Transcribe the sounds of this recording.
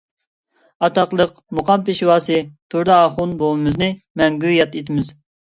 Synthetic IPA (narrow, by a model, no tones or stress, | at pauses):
ɑt̪ɑqlˠəq | muqʰɑmpeʃwɑːsɨt̪ʰuɾd̪ɨɑːχʊnbolɨmɨznɨ | mɛŋɡʲujɛt̪et̪ʰɪmɪz